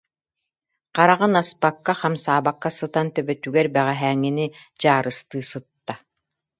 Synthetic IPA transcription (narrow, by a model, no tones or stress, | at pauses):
qaɾaʁɯnaspakːaχamsaːbakːasɯt̪ant̪œbœt̪yɡɛɾbɛʁɛɦæːŋːinid͡ʑaːɾɯst̪ɯːsɯt̪ːa